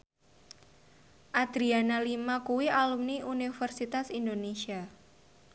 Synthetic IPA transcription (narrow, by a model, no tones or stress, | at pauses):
ʔad̪̥ɾianalimakuwialumniʔunifərsit̪asindonesia